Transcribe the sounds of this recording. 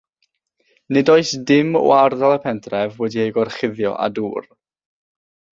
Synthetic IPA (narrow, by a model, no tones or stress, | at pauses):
nɨdɔɨsdɪmɔ̰arðalˠəpʰɛntʰrɛvwɛdiejɡɔrχɪðjɔ̰ʔa̰duːr